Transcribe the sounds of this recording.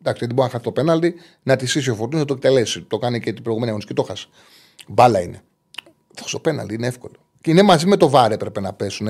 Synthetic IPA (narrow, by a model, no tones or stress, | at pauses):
d̪ɐkst̪ɐt̪ibɾinɐxɐθit̪ope̞nɐld̪i | nɐt̪isis̬iofoɾt̪inɐt̪oekt̪e̞lesit̪o̞kɐnicet̪ibɾoiɣumeniɐɣnisiket̪oxɐsi̥ | bɐlɐine | ðoxst̪o̞̥pe̞nɐ̰ld̪iineefko̞lo | ceinemɐzimet̪o̞vɐɾe̞pɾepenɐpe̞sune